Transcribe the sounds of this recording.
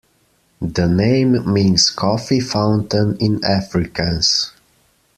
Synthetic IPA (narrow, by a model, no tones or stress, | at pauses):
ðənẽɪ̃mːĩnskʰɔfifãʊ̃ntə̃nɪ̃næfɹɪkʰəs